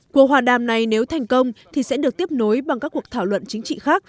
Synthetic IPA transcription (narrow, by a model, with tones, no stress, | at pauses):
ku˨˩əhwaː˨˩ɗaː˨˩mna˨˩jne˨˦wt̪ʰa˨˩jŋ̟kə˧wŋ͡mt̪ʰi˨˩sɛ̰˧˥ɗɨ˨˩ək̚t̪i˦˥əp̚no˨˦jɓa˨˩ŋkaː˦˥kːu˨˩ək̚t̪ʰaː˧˩wlwə̰˧˨nt͡ɕï˨˦ŋ̟t͡ɕḭ˧˨xaː˦˥k̚